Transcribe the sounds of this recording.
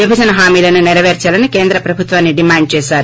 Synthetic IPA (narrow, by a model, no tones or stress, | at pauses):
d̪ibʱɐd͡ʒɐnɐɦaːmiːlɐnuniɾɐʋeɾt͡ʃaːlɐnike̞ːnd̪ɾɐpɾɐbʱut̪ʋaːnːiɖimaːɳɖ̚t͡ʃeːʃaːɾu